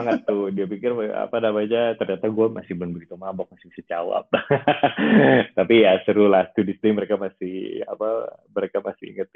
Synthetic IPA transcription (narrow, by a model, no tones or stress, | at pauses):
aŋət̪ːʊdiapikɪra̰panamad͡ʒat̪ərɲat̪aɡuamasɪhbənbəɡit̪umabɔk̚masɪ̥masɪt͡ʃawa̰p̚ | t̪apijasəɾulast̪udist̪iməɾekamasɪha̰paməɾekamasɪḭŋət̪̚